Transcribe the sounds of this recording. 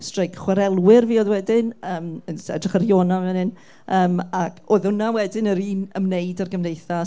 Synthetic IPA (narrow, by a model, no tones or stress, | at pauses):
strejkχwaɾɛlˠwɪrviːoðwɛdɪnəːmənsɛ̰drəχərjoːnavɛnɪn | ʔəːmakʰoðʊnawɛdɪnəɾiːnəmneɨdarɡəmnejθa